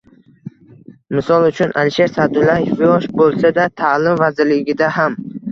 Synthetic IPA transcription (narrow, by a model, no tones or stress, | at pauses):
mɪsɒlˠʊt͡ʃʰʊnʔalɪʃe̞ɾsad̪ʊlajefjɒʃbolˠsad̪at̪ʰalɪmvazɪɾlɪɡʲɪd̪aɦam